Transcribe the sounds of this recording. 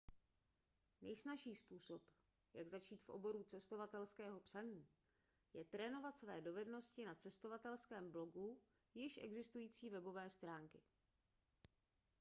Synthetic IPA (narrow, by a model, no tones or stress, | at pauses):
nɛjsnaʃiːspuːsop | jaɡzat͡ʃiːt̪fʔo̰bo̞ɾut͡sɛst̪o̞vat̪ɛlskɛːɦo̞psaɲiː | jɛt̪ɾɛːno̞vat̪svɛːdo̞vɛdno̞scɪnat͡sɛst̪o̞vat̪ɛlskɛːmblo̞ɡu | jɪʃʔɛ̰ɡzɪst̪ujiːt͡siːvɛbo̞vɛːst̪ɾaːŋkɪ